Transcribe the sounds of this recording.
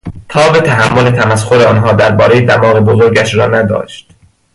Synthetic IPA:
t̪ʰɒːbet̪ʰæɦæmːolet̪ʰæmæsxo̞ɾeɒːnɦɒːd̪æɾbɒːɾejed̪æmɒːɣebozo̞ɾɟæʃɾɒːnæd̪ɒ̰ːʃt̪̚

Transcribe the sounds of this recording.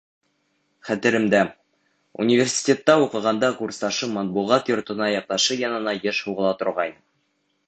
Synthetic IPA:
χæt̪ɘ̆ɾɘ̆md̪æ | ṵnʲivʲersʲi̥tʲet̪ːɑuqɤ̆ʁɑnd̪ɑkurst̪ɑʃɤmɑd̪buʁɑt̪jŏɾt̪ɤ̆nɑjɑq̚t̪ɑʃɤjɑnɤ̆nɑjɘʃhuʁɤ̆lˠɑt̪ŏɾʁɑjnɤ

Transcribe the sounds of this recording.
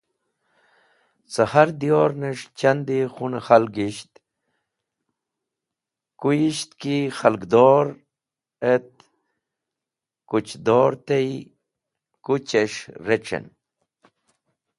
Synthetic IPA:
sɐhaɾd̪ijoɾneʂt͡ɕand̪ixunexalɡiʂt̪ | kujiʂt̪kixɐlɡd̪oːɾ | et̪̚ | kut͡ɕd̪oːɾt̪ej | kut͡ɕeʂɾeʈ͡ʂḛn

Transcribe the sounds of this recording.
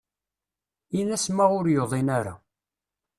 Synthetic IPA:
inæsmaʁʊɾjoðˤenaɾa̰

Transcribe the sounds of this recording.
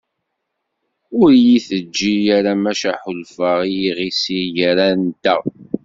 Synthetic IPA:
ʊɾjiθəd͡ʒːijaɾamæʃæħʊlfəʁijiʁisijæɾænt̪æ

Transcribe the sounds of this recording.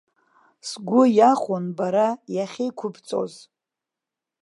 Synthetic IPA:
sɡʷʊjaχʷonbaɾajaχʲejkʷʰʊbʰt͡sʼo̞̰z

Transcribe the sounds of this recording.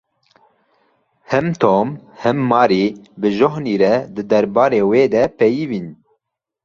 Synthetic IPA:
hɛmt̪ʰoːmhɛmːɑːɾiːbɨʒohniːɾɛd̪ɨd̪ɛɾbɑːɾeːweːd̪ɛpɛjiviːn

